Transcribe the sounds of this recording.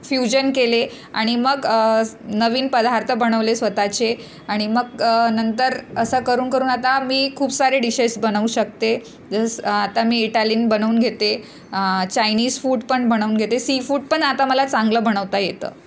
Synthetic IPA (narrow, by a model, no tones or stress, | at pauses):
fjud͡ʑənkele | a̰ɽ̃iməɡə | nəʋiːnpəd̪ʱaɾt̪ʰəbəɽ̃əʋlesʋət̪at͡ɕe | aɽ̃iməɡ̚nənt̪əɾəsəkəɾuːnkəɾuːnat̪amiːkʰuːbsaɾeɖiɕəsbəñəuɕək̚t̪e | d͡zəsat̪amiːiʈaliːnbənəuːnɡʱet̪e | t͡ɕainiːd͡zfuːʈpəɳbʱəɽ̃əuːnɡʱet̪esifuːʈ̚pəɳat̪aməlat͡sãŋɡləbʱəɽ̃əʋt̪ajet̪ə̰ː